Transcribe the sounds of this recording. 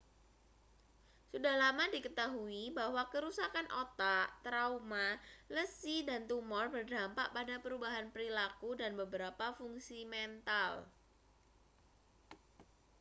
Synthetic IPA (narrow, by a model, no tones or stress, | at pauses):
sudahlamadikət̪aɦuibahwakəɾusakanʔot̪at̪ɾaumaləsidant̪umɔrbərdampaʔpadapəɾubaɦanpəɾilakudanbəbəɾapafuŋsimɛnt̪al